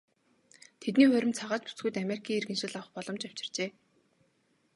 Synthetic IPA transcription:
t̪ʰet̪niːχʊ̟ɾʲɪ̆mt͡sʰaʁaːt͡ɕpu̥t͡sɡujt̪ameɾikʰiːerɣɘ̆nʃɪ̆ɮawχpɔɮɞ̆mt͡ɕaw̥t͡ɕɪ̥̆r̥t͡ɕeː

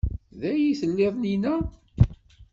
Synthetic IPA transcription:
ðæjiθəlːeðˤninæ

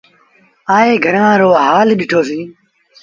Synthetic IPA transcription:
aːeːɡʱəɾãːɾoːɦaːlɗɪʈʰoːsĩː

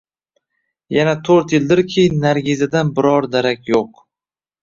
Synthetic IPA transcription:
janat̪ʰoɾt̪jɪld̪ɪɾkʲʰejɪnːaɾɡʲɪzad̪anbɪɾɒɾd̪aɾakʲjoq

